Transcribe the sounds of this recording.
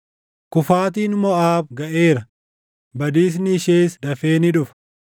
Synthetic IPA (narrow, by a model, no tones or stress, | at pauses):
kʊfaːt̪̬iːnmɔaːbɡɐʔeːɾɐ | bɐd̪iːs̬nɪɪʃeːsd̪ɐfe̞ːnɪᶑʊf